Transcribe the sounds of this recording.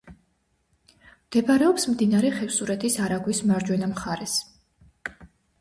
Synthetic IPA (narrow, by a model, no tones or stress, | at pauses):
md̪̥ɛbaɾɛɔpsmd̪inaɾɛχɛfsuɾɛt̪ʰisaɾaɡwismaɾd͡ʒwɛnamχaɾɛs